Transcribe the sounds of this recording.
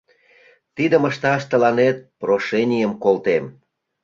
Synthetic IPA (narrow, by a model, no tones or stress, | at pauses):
t̪id̪əməʃt̪ɑʃt̪ə̆lɑnet̪̚proʃenʲijəmkolt̪em